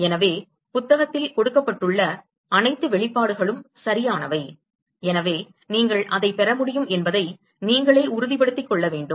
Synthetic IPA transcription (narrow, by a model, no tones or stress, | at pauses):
ɛnɐʋeː | pʊt̪ːɐɣɐt̪ːɪlkɔɽɯkːɐpːɐʈːɯɭːɐ | ɐnɐɪt̪ːɯʋɛɭɪpːaːɽɯɣɐɭɯmsɐɾɪjaːnɐʋɐɪ | ɛnɐʋeː | niːŋɡɐɭʔɐðɐɪpːɛɾɐmʊɽɪjɯmɛnbɐðɐɪ | niːŋɡɐɭɐːʊɾʊðɪpɐɽɯt̪ːɪkːɔɭːɐʋeːɳɖɯm